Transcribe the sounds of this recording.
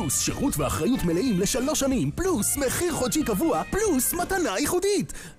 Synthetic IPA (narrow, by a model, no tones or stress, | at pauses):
usʃḛʁutvea̰χʁajutmeleimle̞ʃalo̞ʃamimplusmeχiʁχodt͡ʃʃikavuaplusmatanajiχudit